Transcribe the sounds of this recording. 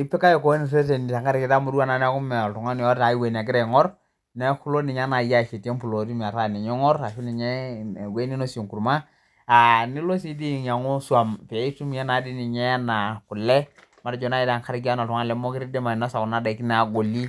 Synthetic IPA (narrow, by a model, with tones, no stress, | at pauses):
i˦pe˦ka˦jo˨ko˦ni˨se˦t̬e˨ni˨ta˨ŋka˦ɾki˨ta˦mu˨˦ɾwa˦˨na˨nɛ˦ku˦mɛ˨ltu˨ŋa˦n˨ɔ˦ta˨i˦we˨n˨a˨k̬ɪ˦ɾe˨ŋɔ˦ɾ | nɛ˦ku˦lo˦nɪ˨ɲa˦na˨ja˦˨ʃe˨tje˦mpu˨lo˨ɾi˦mi˨a˨ta˦˨ni˨ɲɔ˦ŋɔ˦ɾa˨ʃu˦ni˨ɲɛ˦˨we˦ni˦no˦so˨ŋku˨ɾma˦ | a˨nɪ˦lo˦s̬i˦di˦˨ɲa˨ŋo˦swa˨mpe˨i˦tu˦mi˦ɛ˦na˨˦di˦nɪ˨ɲɛ˦a˦na˨kʊ˨lɛ˦ | ma˨ɾd͡ʒɔ˨na˦i˦ta˨ŋka˦ɾki˦a˦na˨tu˨ŋa˦˨lɛ˨˦mo˦kɪ˦ɾi˦de˦ma˨na˦sa˨kʊ˨na˦da˨ki˦na˨ɡo˨li˦